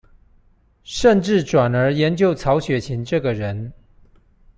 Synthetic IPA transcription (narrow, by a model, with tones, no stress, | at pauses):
ʂə˥˧nʈ͡ʂɻ̩˥˩ʈ͡ʂwa˨˩nə˞˧˥jɛ˨˧˥nt͡ɕjo˥˩ʊt͡sʰɑ˧˥ʊɕɥɛ˨˩t͡ɕʰi˧˥nʈ͡ʂɤ˥˩ɡə˩ɻə˧˦n